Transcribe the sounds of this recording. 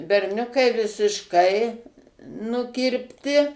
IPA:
bʲɛrʲˈnʲʊkɐɪ ʋʲɪsʲɪʃˈkɐɪ nʊkʲɪrʲpʲˈtʲɪ

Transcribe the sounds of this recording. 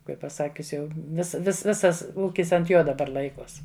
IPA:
ˈkɐɪp pɐˈsɑːkʲʊs ˈjɛʊ ʋʲɪs ʋʲɪs ˈʋʲɪsɐs ˈuːkʲɪs ɐnt ˈjoː dɐˈbɐr ˈlˠɐɪkoːs

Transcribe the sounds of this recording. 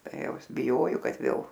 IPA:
ˈtɐɪ ˈjɛʊ ˈɪs bʲɪˈjoːjoː ˈkɐt ˈʋʲeːlˠ

